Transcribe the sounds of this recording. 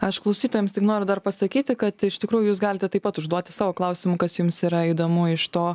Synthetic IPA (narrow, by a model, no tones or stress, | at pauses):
ɐʃklˠɐʊsʲiːt̪oːjɛmst̪ʲɪknoːɾʲʊd̪ɐrpɐsɐkʲiːt̪ʲɪkɐt̪ɪʃt̪ʲɪkɾuːjʊjuːs̬ɡɑːlʲɪt̪ʲɛt̪ɐɪpɐt̪ʊʒd̪uɔt̪ʲɪ̥sɑːʋoːklˠɐʊsʲɪmʊkɐsjʊmsiːɾɐid̪oːmʊɪʃt̪oː